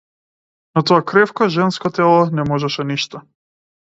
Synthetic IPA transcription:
nɔt̪ɔakɾɛfkɔʒɛnskɔt̪ɛlˠɔnɛmɔʒɛʃɛniʃt̪ɔ

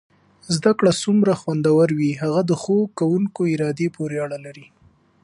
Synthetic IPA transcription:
zd̪akɽasumɾaxwand̪awaɾwiɦaɣad̪əxokawuŋkoɪɾɑd̪epoɾeaɽalaɾi

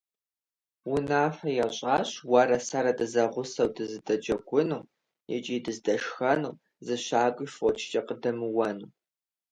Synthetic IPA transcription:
wʊnaːfɐjɛɕʼaːɕwɐɾɐsaɾɐdɨzɐʁʷʊsɐwdɨzɨdɐd͡ʒɐɡʷʼʊnuː | jɛ̰t͡ʃʼiːdɨzdɐʂxɐnuː | zɨɕaːɡʷʼɨʃfot͡ʃʰt͡ʃʼɐqədɐmɨwɐnu

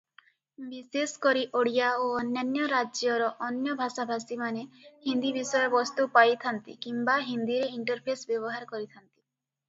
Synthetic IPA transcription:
biseskɔɾiʔoɽijaoɔnjanjɔɾad͡ʒjɔɾɔʔɔnjɔbʱasabʱasimanehind̪ibisɔjɔbɔst̪upajt̪ʰant̪ḭkimbaɦind̪iɾeiɳʈɔɾpʰesbjɔβɔɦaɾkɔɾit̪ʰant̪i̥

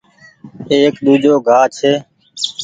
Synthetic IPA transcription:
eːekɗ̪uːd͡ʒoːɡʱaːt͡ʃʰeː

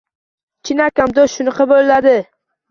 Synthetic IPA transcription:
t͡ʃʰɪnakʲamd̪osʃʊnɑqɑbolɪlad̪ɪ

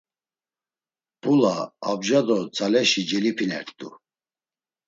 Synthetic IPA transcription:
bʰulaabʒad̪ɔt͡sʰalɛʃid͡ʒɛlipʰinɛ̰ɾt̪ʼu

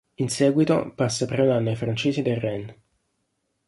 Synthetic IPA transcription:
insɛːɡwit̪o̰pasːapɾeunanːoajfɾant͡ʃeːsid̪errɛn

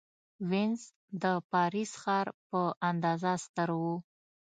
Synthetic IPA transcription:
wɪnz | d̪əpɑɾisxɑɾpəʔand̪ɑzast̪əɾwu

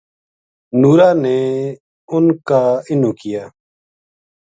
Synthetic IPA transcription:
nuːɾaːnɛː | ʊnkaːɪnũːkɪjaː

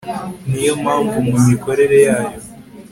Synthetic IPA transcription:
nijo̞mhaːɱvumumiko̞ɾe̞ɾe̞jaːjo̞

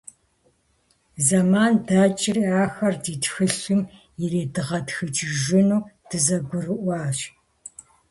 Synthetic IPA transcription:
zɐmaːndaːt͡ʃʼɪriːaːxɐrdiːtxɨɬɨm | jɪreːdɨʁɐtxɨt͡ʃʼʒɪnuːd̥ɨzɐɡʷʊrɨʔʷɑːɕ

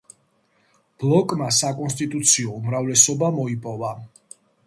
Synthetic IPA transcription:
b̥lˠɔkʼmasakʼɔnst̪ʼit̪ʼut̪sʰiɔumɾavlɛsɔbamɔipʼɔva

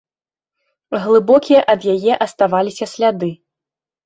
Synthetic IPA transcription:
ɣlˠɨbɔkʲijɐʔɐd̪jajɛʔɐst̪avalʲisʲɐsʲlʲad̪ɨ

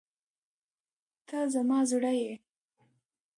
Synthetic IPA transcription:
t̪azamɑzuɽaje

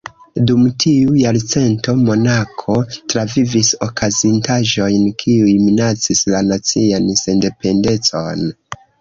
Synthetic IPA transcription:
dumtʰiujalt͡se̞nto̞mo̞nakʰo̞tɾavivisokʰazintaʒo̞jnkʰiujminat͡sislanat͡sianse̞nde̞pe̞nde̞t͡so̞n

